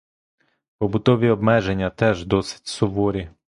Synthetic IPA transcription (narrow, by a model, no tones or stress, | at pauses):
pɔbʊt̪ɔʋʲiɔbmɛʒenʲːɐt̪ɛʒd̪ɔsɪ̥t̚ʲsʊʋɔɾʲi